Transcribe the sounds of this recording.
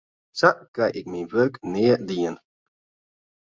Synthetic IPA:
saʔkɛjʔɪk̚minʋørknɪːədiən

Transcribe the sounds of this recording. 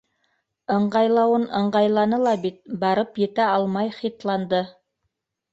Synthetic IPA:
ɤ̆ɴɢɑjlˠɑwɤnɤ̆ɴɢɑjlˠɑnɤlˠɑbit̪̚bɑɾɤpjɘ̆t̪æɑlˠmɑjχit̪lˠɑnd̪ɤ

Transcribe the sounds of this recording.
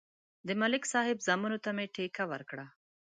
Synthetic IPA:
d̪əmalɪksɑhɪbzamunot̪ameʈekawəɾkɽa

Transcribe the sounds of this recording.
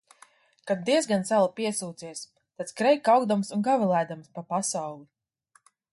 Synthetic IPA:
kad̪̚d̪iɛzɡant̪sælˠapiɛsuːt̪siɛs | t̪at̪skɾɛjkawɡd̪amsunɡavilˠajd̪amspapasawlˠi

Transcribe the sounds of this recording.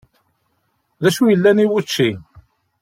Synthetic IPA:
ðæʃujəlːæniwut͡ʃːi

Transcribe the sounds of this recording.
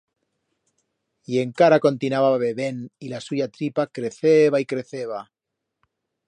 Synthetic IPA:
ie̞ŋkaɾako̞nt̪inaβaβe̞βenilasuʝat̪ɾipakɾe̞θeβaikɾe̞θeβa

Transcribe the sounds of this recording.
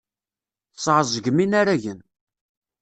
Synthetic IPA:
θsˤʕəzˤəɡminaɾæʝən

